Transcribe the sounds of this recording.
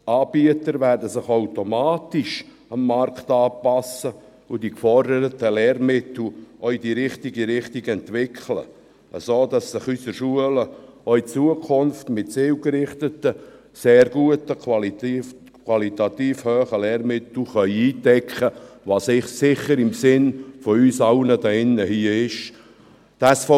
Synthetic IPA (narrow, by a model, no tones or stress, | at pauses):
ɑːbiətəɾvæɾdəsɪχaʊtomaːtɪʃ | ɑmːɑrktɑːpɑsə | ʊdikfɔrdəɾətəlɛːrmɪtl̩ʔɔɥidiɾɪχtiɡiɾɪχtiɡɛntvɪkʰχlə̰ | əsoːdɑsːɪχysəɾʃuələœʏit͡suəkʰʊnftmɪtseːwɡəɾɪχtətə | seːrɡ̥uətəkl | kʰwɑlitɑt̪iːfhøːχəlɛːrmɪt̪l̩χœʏiːtɛkχəʋɑːsɪχsɪχəɾɪmsɪnfɔyːsɑʊnədɑɪnːəhiəɪʃ | d̥ɑːsfɔ